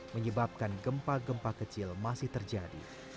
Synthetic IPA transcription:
məɲəbap̚kanɡəmpaɡəmpakət͡ʃɪlmasɪht̪ərd͡ʒadḭ

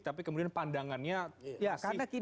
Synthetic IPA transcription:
t̪ap̬ikəmudianpandaŋanɲajakaɾnaki

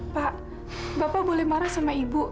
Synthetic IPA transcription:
paʔ | bapabolɛhmaɾasamaibu

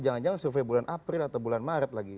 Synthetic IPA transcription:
d͡ʒaŋand͡ʒaŋsufabulanʔapɾɪlat̪awbulanmaɾət̪̚laɡi

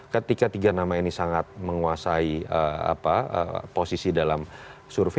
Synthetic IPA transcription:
kət̪ikat̪iɡanamainisaŋat̪̚məŋuasaiəa̰paə̰posisidalamsurfe

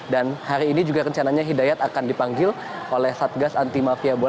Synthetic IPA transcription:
danhaɾiːnid͡ʒuɡarəɲt͡ʃanaɲaɦidajat̪akandipaŋɡɪl | ʔolɛhsat̪̚ɡasant̪imafiabo

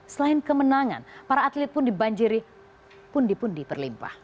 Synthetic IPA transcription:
səlaɪnkəmənaŋa̰npaɾaːt̪lɪt̪̚pʊndibaɲd͡ʒiɾi | pundipʊndipərlimpa̰h

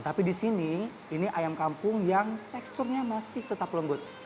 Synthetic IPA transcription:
t̪apidisini | iniʔajamkampʊŋjaŋt̪ɛkst̪ʊrɲamasɪht̪ət̪apləmbʊt̪̚

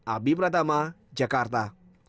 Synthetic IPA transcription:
abipɾat̪ama | d͡ʒakaɾt̪̬a

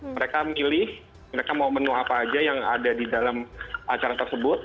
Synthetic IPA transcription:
məɾekamilɪh | məɾekamamənuapaːd͡ʒajaŋa̰dadidalamat͡ʃaɾat̪ərsəbʊt̪̚

